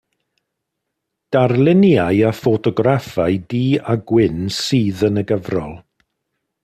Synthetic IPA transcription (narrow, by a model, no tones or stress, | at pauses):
d̥arlˠɪnjaɨafɔtʰɔɡrafajdiːaɡwɪnsiːðənəɡəvrɔ̰lˠ